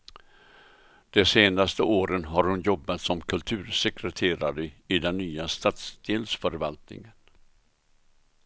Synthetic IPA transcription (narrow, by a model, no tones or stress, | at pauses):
d̪̥ɛseːnast̪əʔoːɾənɦaɾhʊnjɔbːat̪sɔmkʰɵlt̪ʰʉ̟ːɾsɛkɾɛt̪ʰeːɾa̰ɾəɪd̪ɛnːyːast̪aːt̪sd̪̥eːlsfœɾvalt̪nɪ̰ŋən